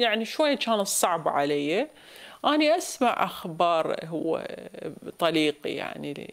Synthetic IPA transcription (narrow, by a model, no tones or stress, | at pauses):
jaʕniʃwajːat͡ʃaːnɨsˤːɑʕbʕalajːa | ʔaːniʔasma̰ʕʔaxbɑːɾˤɦʊwːa̰t̪ˤɑliːqḭja̰ʕnḭ